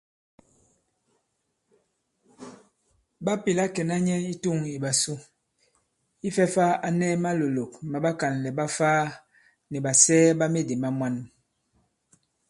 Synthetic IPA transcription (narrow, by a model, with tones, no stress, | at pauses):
ba˦pi˨la˦kɛ˨na˦ɲɛ˦i˦tu˦˨ŋi˨ba˨su˦ | i˦fɛ˦fa˦a˨nɛ˦ma˦lo˨lo˨kma˨ba˦ka˨nlɛ˨ba˦faː˦ | nɛ˨ba˨sɛː˦ba˦me˦de˨ma˦mwa˦n